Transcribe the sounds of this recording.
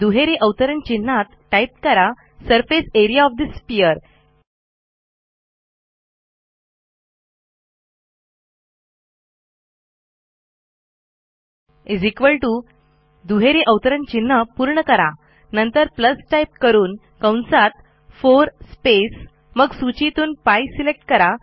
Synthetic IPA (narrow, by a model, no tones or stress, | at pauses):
d̪uɦeɾeʔəwt̪əɾəɳt͡ɕinːat̪ʈajp̚kəɾa | səɾfeseɾijaɔfd̪ispiəɾ | ed͡zikʋəlʈu | d̪uɦeɾiʔəʋt̪əɾənt͡ɕinːəpuɾɳəkəɾa | nənt̪əɾpləsʈajp̚kəɾuːn | kãwnsat̪̚ | foɾspes | məɡsut͡ɕit̪uːnpajsilek̚ʈkəɾa